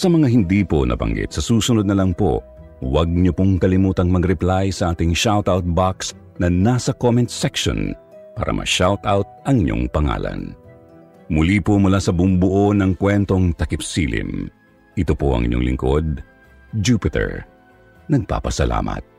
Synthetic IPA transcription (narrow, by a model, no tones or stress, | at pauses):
sɐmɐŋaɦɪnd̪iːpo̰nʔɐ̰bɐ̰ŋɡɪ̰t̪sɐsuːsʊnod̪nɐlɐŋpo̞̰ | wɐɡ̚ɲopoŋkɐlɪmuːt̪ɐŋmɐɡɾɛplajsɐʔaːt̪ɪŋʃawt̪awt̪̚baks | nɐnasɐkomɛnt̪sɛkʃo̰npa̰ːɾɐ̰mʔɐ̰ʃawt̪awt̪̚ʔɐŋɪɲːo̰ŋpɐŋa̰ːlɐ̰n | mʊlipomʊlasɐbʊmbʊʔonɐŋkwɛnt̪o̞ŋt̪ɐkɪpsḭlɪ̰m | ʔɪt̪opo̰ʔɐ̰ŋʔɪ̰ɲo̰ŋlɪ̰ŋkod̪̚ | d͡ʒuːpɪt̪ɛ̰ɹ | nɐɡ̚pa̰ːpɐsɐla̰ːmɐ̰t̪̚